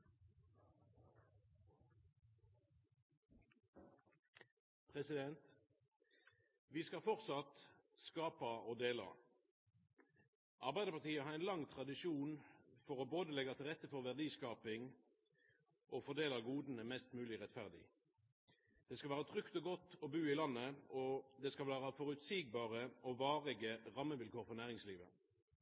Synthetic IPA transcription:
pʰʁɛsɪd̪ɛnt̪ | ʋiːskɑfɔʁt̪sɑt̪skɑːpɑoːd̪eːlɑ̰ | ʔɑʁbæɪd̪əpɑʁt̪ʰiːəhɑːʁɛɪnlɑŋt̪ʰʁɑd̪ɪʃuːnfɔʁɔboːd̪əlɛɡɑt̪ʰɪlʁɛt̪ːəfɔʁʋæʁd̪iːskɑːpɪŋ | ʔɔfɔʁd̪eːlɑɡuːd̪n̩əmɛst̪mʉːlɪʁɛt̪fæʁd̪ɪ̰ | d̪̥ɛskɑlʋæːʁəɑt̪ʰʁʏkt̪ɔɡɔt̪ːɔbʉːɪlɑnːəɔd̪ɛskɑlʋæːʁɑfɔʁʉt̪siɡ̚bɑːʁəɔʋɑːʁɪɡəʁɑmːəʋɪlkʰoːʁfɔʁnæːʁɪŋsliːʋə

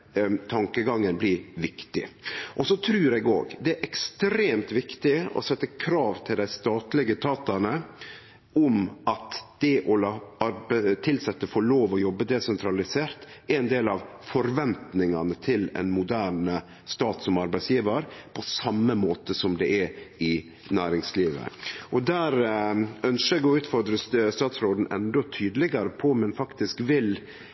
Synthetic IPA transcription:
t̪ʰɑŋkəɡɑŋːənblɪɾʋɪkt̪ɪ̰ʔɔsɔt̪ʰɾʉːɾɛɡo̰ːɡd̪ɛæɾʔɛkst̪ɾeːmt̪ʋɪkt̪ɪɔ̰sɛt̪ːəkʰɾɑːʋt̪ʰɪld̪æɪst̪ɑːt̪lɪɡət̪ʰɑːt̪ɑnə | ʊmɑt̪d̪̥ɛʔɔlɑɑɾbt̪ʰɪlsɛt̪ːəfoːɭoːʋɔjɔbːəd̪ɛsɛnt̪ʰɾɑlɪseːɾt̪æɪnd̪eːlɑʋ | fɔɾʋɛnt̪nɪŋɑnət̪ʰɪlɛ̰nmʊd̪æːɳə | st̪ɑːt̪sɔmɑɾbæɪsjiːʋəɾpʰɔsɑmːəmoːt̪əsɔmd̪ɛʔɛɪ | næːɾɪŋsliːʋə̰ʔɔd̪æːɾœnsəæɡoʉːt̪fɔɾd̪ɾəst̪ɑːt̪sɾoːd̪n̩ʔɛnd̪ɔt̪ʰyːd̪lɪɡəɾəpʰɔmɛnfɑkt̪ɪskʋɪl

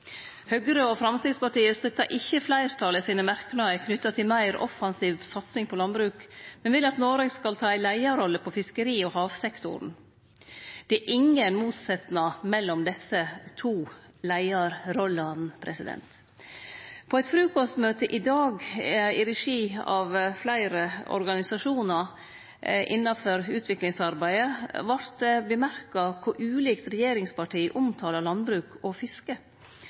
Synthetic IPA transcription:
hœɡɾəofɾɑmst̪ɪɡspɑʈiːəɾst̪œt̪ːɑʔɪçːəflæɪɾt̪ʰɑːləsiːnəmæɾkənɑəkʰnʏt̪ːɑt̪ʰɪlmæɪɾɔ̰fɑnsiːʋsɑt̪sɪŋpʰɔlɑnbɾʉːkmɛnʋɪlɑt̪noːɾeɡskɑlt̪ʰɑːæɪlæɪɑɾɔlːəpʰɔfɪskəɾiːɔhɑːʋsɛkt̪ʊ̰ɾn̩ | d̪̥ɛæʔɪŋːənmuːt̪sɛt̪nɑmɛlːɔmd̪ɛsət̪ʰuː | læɪɑɾɾɔlɑnpʰɾɛsɪd̪ɛ̰nt̪ | pʰɔɛt̪fɾʉːkɔst̪møːt̪ʰəʔɪd̪ɑːɡɪɾɛʂiːɑ̰ʋflæɪɾəɔ̰ɾɡɑnɪsɑʂuːnɑ | ʔɪ̰nːɑfɔɾʉːt̪ʰʋɪklɪŋsɑɾbæɪəʋɑɾt̪̚d̪ɛbəmæɾkɑkʰʊɾʔʉːliːkt̪ɾɛjeːɾɪŋspɑʈʰiːʔʊmt̪ʰɑːlɑɾlɑnbɾʉːkʰɔfɪskə

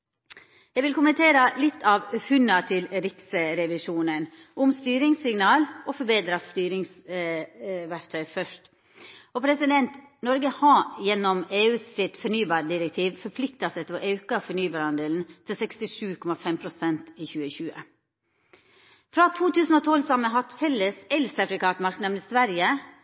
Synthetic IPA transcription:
jɛɪʋɪlkʊmənt̪ʰeːɾəlɪt̪ʰːɑːʋhʉnɑt̪ʰɪlɾɪksəɾɛʋɪʂuːnən | ʔʊmst̪yːɾɪŋsɪŋnɑːlʔɔfɔɾbeːd̪ɾɑst̪yːɾɪŋs | ʋæɾt̪ʰœʏfœʂt | ɔpʰɾɛsɪd̪ɛnt̪nɔɾɡəhɑjɛnːɔmeːʉːssɪt̪fɔɳyːbɑːɾɖɪɾɛk̚t̪ʰiːʋfɔɾpʰlɪkt̪ɑsɛt̪ʰːɾɔʔɑʉkɑfɔɾɳyːbɑːɾhɑnd̪eːln̩t̪ʰɪlsɛkst̪ɪʂʉːkʰɔmɑfɛmpʰɾʊsɛnt̪iːçʉːəçʉːə̰ | fɾɑt̪ʰuːt̪ʰʉːsn̩oːt̪ʰɔlsɑməɦɑt̪fɛlːəsɛlsɑfɾɪkɑt̪mɑɾknɛʋnəsʋæɾjə

